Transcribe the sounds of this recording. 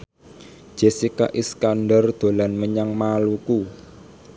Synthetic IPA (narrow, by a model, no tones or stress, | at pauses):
d͡ʒʒ̥esika̰ʔiskanɖərd̪̥o̤lanməɲaŋmaluku